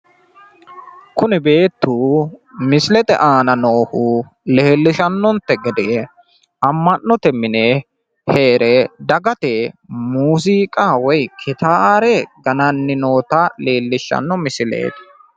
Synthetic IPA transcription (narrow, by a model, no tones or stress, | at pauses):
kʊnɛbe̞ːt̪ːuːmɪsɪlɛt̪ɛ̰ʔaːnɐno̞ːhuː | leːlːɪʃɐnːɔnt̪ːɛɡɛd̪eː | ɐmːɐnːɔt̪ɛmɪne | he̞ːɾɛd̪ɐɡɐt̪eːmuːsiːkʼaːwɔjkʰɪt̪aːɾɛɡɐnɐnːɪno̞ːt̪ɐle̞ːlːɪʃɐ̰nːɔmɪsɪlḛːt̪